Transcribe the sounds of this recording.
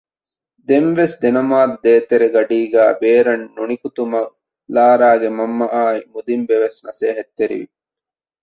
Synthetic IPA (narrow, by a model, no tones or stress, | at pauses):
d̪enʋesd̪enɐmaːd̪ud̪eːt̪eɾeɡɐɖiːɡæːbeːɾɐnːunikut̪umɐ | laːɾaːɡemɐmːɐʔaːimud̪imbeʋesnɐseːɦɐt̪ːeɾḭʋḭ